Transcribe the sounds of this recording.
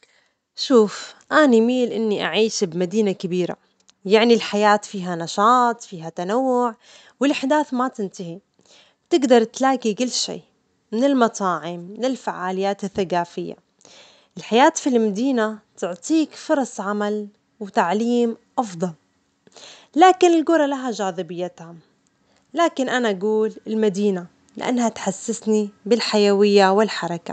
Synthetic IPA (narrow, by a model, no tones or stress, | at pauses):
ʃuːfʔanimiːlʔɪnːiʔa̰ʕiːʃbmad̪iːnakabiːɾa̰ | jaʕnilħajaːt̪fiːɦanɑʃɑːt̪ˤfiːɦat̪anawːʊʕ | wɪlʔaħd̪aːθmat̪ɪnt̪ahi | t̪ɪɡd̪ɑɾˤt̪laːkikɪlːʃḭː | mɪnɪlmɑt̪ˤɑːʕɪmːɪnɪlfaʕaːlɪjːaːt̪ɪθːaɡaːfɪjːa̰ | ʔɪlħajaːt̪filmad̪iːnat̪ʊʕt̪ˤiːkfʊɾˤɑsˤʕamal | wɪt̪aʕliːmʔɑfd̪ˤɑl | laːkɪnɪlɡʊɾˤɑlaɦaʒaːðˤɨbɪjːat̪ha | laːkɪnʔanaʔaɡuːlɪlmad̪iːna | lɪʔa̰nːhat̪ħasːɪsnibɪlħajawɪjːawɪlħɑɾˤɑka̰